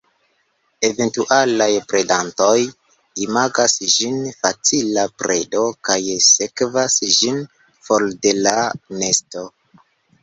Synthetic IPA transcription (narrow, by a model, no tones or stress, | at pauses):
e̞ve̞ntuʔalajpɾe̞danto̞j | imaɡasʒinfat͡silapɾe̞do̞kajse̞kvasʒin | folde̞lane̞sto̞